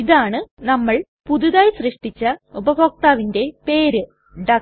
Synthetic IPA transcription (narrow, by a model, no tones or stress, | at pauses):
iðaːɳɨnɐmːɐɭ | puðuðaːjsrɨʂʈit͡ɕːɐubɐboːk̚t̪aːʋinde̞pe̞ːɾɨ | ɖɐ